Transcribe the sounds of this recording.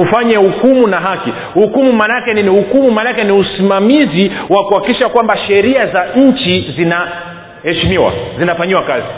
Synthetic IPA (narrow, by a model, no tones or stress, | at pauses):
ufaɲahukumunaɦaki | hukumumanakɛinihukumumanakɛniusimamiziwakuhaikiʃakwambaʃɛɾiazaɲ̩t͡ʃizina | hɛʃimiwa̰zinafaɲiwakazi